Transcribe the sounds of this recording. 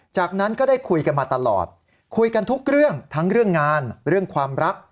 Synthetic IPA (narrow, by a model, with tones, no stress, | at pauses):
t͡ɕaː˨˩k̚na˦˥nkɔː˥˩daː˥˩jkʰu˧jka˧nmaː˧t̪a˧lɔ̰ː˨˩t̪̚ | kʰu˧jka˧nt̪ʰu˦˥k̚ɾɯ˥˩əŋt̪ʰa˦˥ŋɾɯ˥˩əŋːaː˧nɾɯ˥˩əŋkʰwaː˧mɾa˦˥k̚